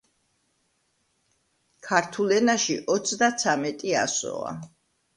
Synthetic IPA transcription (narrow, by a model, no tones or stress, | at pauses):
kʰaɾt̪ʰulɛnaʃiʔɔt̪sʰd̪at̪sʰamɛt̪ʼia̰sɔ̰a̰